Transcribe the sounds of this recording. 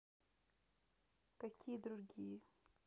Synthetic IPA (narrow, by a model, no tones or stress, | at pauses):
kakʲʰiːd̪ɾuɾɡi